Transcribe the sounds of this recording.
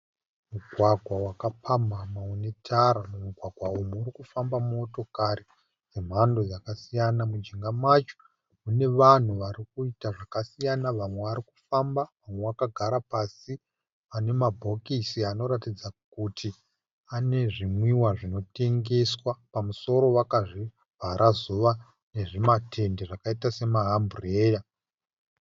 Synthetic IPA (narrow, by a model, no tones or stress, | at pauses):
muɡʱwaɡʱwawakapʰamamaune̞tʰaɾamumuɡʱwaɡʱwaumuːɾikufambamuoto̞kaɾi | d͡zem̤ando̞jakasijanamud͡ʒiŋɡamat͡ʃo̥ | une̞ʋan̤uʋaɾikuitaʐakasijanaʋamwe̞ʋaɾiku̥fambaʋamwe̞ʋakaɡʱaɾapasi | ane̞mabʱo̞kisiano̞ɾatid͡zakutʰi | ane̞ʐimwiwaʐino̞te̞ŋɡe̞swapamuso̞ɾo̞wakaʐi | b̥ʱaɾʔazuʋa | ne̞ʐematʰe̞ndeʐakaitase̞maɦambureːja